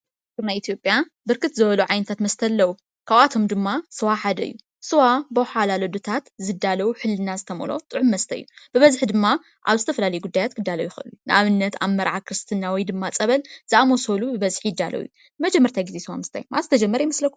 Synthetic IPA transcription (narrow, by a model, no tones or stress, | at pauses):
t̪ɨɾnajit̪ijo̞pʼja | bɨɾkʰɨt̪zɨβɐluʕajnɐt̪ʰat̪mɐst̪ʰɐlːɐwu | kʰaβat̪ʰo̞md̪ɨmːasɨwaħad̪ɐ̰ɨ̰jːu | sɨwabɐħalalod̪ot̪ʰat̪zɨd̪ːalɐwuħɨlːɨnazɨt̪ʰɐmo̰lo̞̰t̪ʼɨʕʊmːɐst̪ʰɐ̰jːubɨβɐzħd̪ɨmːa | ʔaβzɨt̪ʰɐfɐlalɐjuɡud̪ːajat̪kʰɨd̪ːalɐwjɪxɨʔɨlujunɨʔaβɨnːɐt̪ʰaβmɐɾʕakʰɾɨst̪ʰɨnːawɔjd̪ɨmːat͡sʼɐβɐlz̥ɨʔamosolubɨβɐzħjɪd̪ːalɐ̰wjṵ | mɐd͡ʒɛmːɐɾt̪ʰajɡizesɨwamɨst̪ʰa̰jmʔazɨt̪ʰɐd͡ʒɐmːɐɾɐjmɨslɐkʰːu